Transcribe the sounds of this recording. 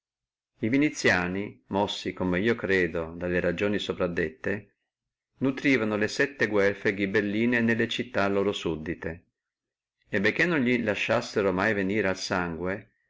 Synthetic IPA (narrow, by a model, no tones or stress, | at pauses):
ivinit̪sːjaːnimɔsːikomeiːokɾeːd̪od̪alːeɾad͡ʒoːnisopɾad̪ːet̪ːe | nut̪ɾiːvanolesɛt̪ːeɡwɛrfeɡibelːiːnenelːet͡ʃit̪ːalːoːɾosud̪ːit̪e | ebek̟ːenːonʎilaʃːasːeɾomajveniːɾealsaŋɡwe